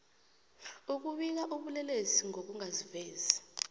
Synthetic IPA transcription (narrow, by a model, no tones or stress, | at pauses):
uk̬uɓik̬aʔuɓulɛleziŋok̬uŋazivɛːza